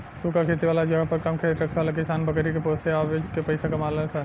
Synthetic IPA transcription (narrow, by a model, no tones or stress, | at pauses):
sukakʰet̪ibalad͡ʒəɡapəɾkəmkʰet̪ɾəkʰalakisanbəkəɾikeposeabed͡ʒkepəjsakəmalensə